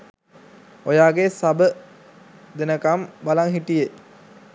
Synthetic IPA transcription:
ojaːɡesabə | d̪enəkambalaŋɦiʈije

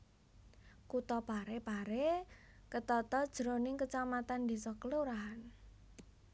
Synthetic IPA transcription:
kut̪ɔpaɾepaɾekət̪ɔt̪ɔd̥ʒ̥ɾonɪŋkət͡ʃamat̪and̪i̤sɔkəloɾaɦn

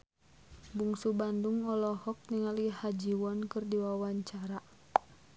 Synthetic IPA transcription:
buŋsubanduŋɔlɔhɔk̚niŋalihad͡ʒiwɔnkɨrdiwawaɲt͡ʃaɾa

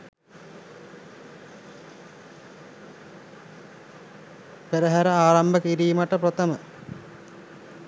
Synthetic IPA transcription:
peɾəɦæɾəaːɾambəkiɾiːməʈəpɾɐt̪əmə

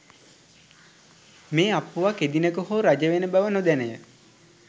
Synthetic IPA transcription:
meːapːuʋaked̪inəkoɦoɾad͡ʒəʋenəbæʋənod̪ænəjə

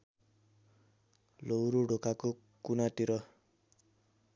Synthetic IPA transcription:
lowɾoɖʱokako | kunat̪iɾʌ

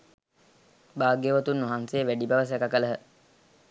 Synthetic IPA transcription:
baːɡeʋət̪unːuɦansejːʋæɖibɐʋəs̬ɛkakələɦə

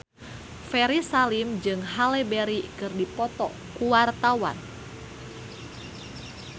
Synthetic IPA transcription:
fɛɾisalimd͡ʒɨŋɦalɛbeɾikɨrdipɔt̪ɔ̰ | kuwart̪awa̰n

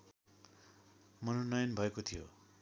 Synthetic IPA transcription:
mʌnonʌjʌnbʱʌekot̪ʰijo̰

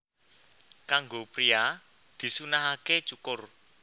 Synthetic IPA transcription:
kaŋɡopɾia | d̪̥i̤sunaɦaket͡ʃukʊr

